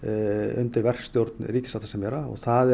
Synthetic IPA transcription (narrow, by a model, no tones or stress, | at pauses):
ʏ̰nt̪ɪɾvɛr̥st̪joɾt̪nɾiːcɪsat̪asɛmjɛːɾaɔ̰ɣθaðɛ